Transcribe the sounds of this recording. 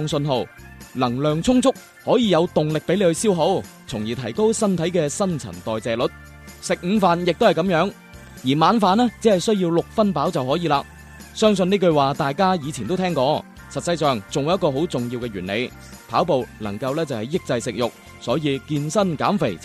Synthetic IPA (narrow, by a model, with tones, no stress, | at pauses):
ŋsɵ˧nɦo˨˧wlɐ˨˩ŋlœː˨ŋt͡sʰʊ˥ŋt͡sʊ˥k̚ | hɔː˨˥jiː˨˧jɐ˨˧wt̪ʊ˨ŋlɪ˨k̚pe˨˥jle˨˧hɵ˧ɥsiː˥wɦo˨˥w | t͡sʰʊ˨˩ŋjiː˨˩t̪ʰɐ˨˩jko˥wsɐ˥nt̪ʰɐ˨˥jkɛː˧sɐ˥nt͡sʰɐ̰˨˩nt̪ɔː˨jt͡sɛː˨lɵ˨t̚ | sɪ˨k̚m̩˨˧faː˨˧njɪ˨k̚t̪whɐ˨jkɐ˨˥mjœː˨˥ŋ | jiː˨˩maː˨˧nfaː˨nɛː˥t͡siː˨˥hɐ˨jsɵ˥ɥjiː˧wlʊ˨k̚fɐ˥npaː˨˥wt͡sɐ˨wɦɔː˨˥jiː˨˧laː˧k̚ | sœː˥ŋs̬ɵ˧niː˥kɵ˧ɥwaː˨t̪aː˨jkaː˥jiː˨˧t͡sʰi˨˩t̪o˥wt̪ʰɛː˥ŋkɔː˧ | sɐ˨t̚sɐ˧jsœː˨ŋt͡sʊ˨ŋwu˨jɐ˥kɔː˧ɦo˨˥wt͡sʊ˨ŋjiː˧wkɛː˧ɥyː˨˩nlḛ˨˧j | pʰaː˨˥wpo˨˧wlɐ̰˨˩ŋkɐ˧wlɛː˥t͡sɐ˨whɐ˨˩jɪ˥k̚t͡sɐ˧jsɪ˨k̚jʊ˨k̚ | sɔː˨˥jiː˧kiː˧nsɐ˥nka̰ː˨˥mfḛ˨˩j